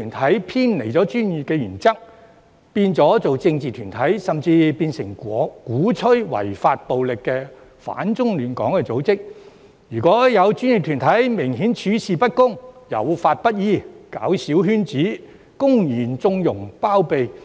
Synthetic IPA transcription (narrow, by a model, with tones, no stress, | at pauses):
y˨˩nt̪ʰɐ˨˥jpʰiː˥nle˨˩jt͡sɔː˨˥t͡ʃyː˥nji˨p̚kɛː˧jyː˨˩nt͡sɐ˥k̚ | piː˧nt͡sɔː˨˥t͡so˨wt͡sɪ˧ŋt͡siː˨t̪ʰyː˨˩nt̪ʰɐ˨˥jsɐ˨mt͡siː˧piː˧nsɪ˨˩ŋkuː˨˥t͡sʰɵ˥ɥwɐ̰˨˩jfaː˧t̚po˨wlɪ˨kːɛː˧ | fa̰ː˨˥nt͡sʊ˥ŋlyː˨˩nkɔ̰ː˨˥ŋkɛ˧t͡so˨˥wt͡sɪ˥k̚ | jyː˨˩kɔː˨˥jɐ˨˧wt͡ʃy˥nji˨p̚t̪ʰyː˨˩nt̪ʰɐ˨˥jmɪ˨˩ŋɦiː˨˥nt͡ʃʰyː˨˥siː˨pɐ˥t̚kʊ˥ŋjɐ̰˨˩wfaː˧t̚pɐ˥t̚jiː˥˩kaː˨˥wsiː˨˥wɦyː˥nt͡siː˨˥ | kʊ˥ŋjiː˨˩nt͡sʊ˧ŋjʊ˨˩ŋpaː˥wpe˨˧j